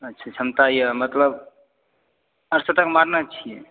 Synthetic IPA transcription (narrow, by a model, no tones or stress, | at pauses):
ətːʃʰat͡ʃʰəmt̪ajəmət̪ləb | əɾsət̪əkmaɾnat͡ʃʰije